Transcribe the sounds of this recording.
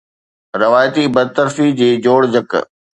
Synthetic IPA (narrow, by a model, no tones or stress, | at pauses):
ɾɪʋaːjt̪ibɐd̪̚t̪ɐɾfid͡ʑiːd͡ʑoːɽd͡ʑək